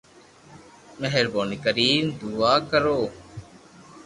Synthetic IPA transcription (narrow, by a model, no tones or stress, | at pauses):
məɦəɾboːniːkəɾiːmd̪uːaːkəɾoː